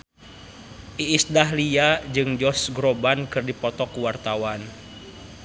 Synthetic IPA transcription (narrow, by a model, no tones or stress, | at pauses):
ʔiːsdaɦliad͡ʒɨŋd͡ʒɔsɡɾɔbankɨrdipɔt̪ɔkuwart̪awan